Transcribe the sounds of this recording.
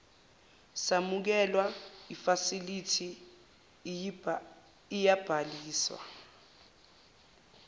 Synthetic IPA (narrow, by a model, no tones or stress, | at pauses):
samuk̬ɛlwaifasilitʰi | ijab̥ʱaliːswa̰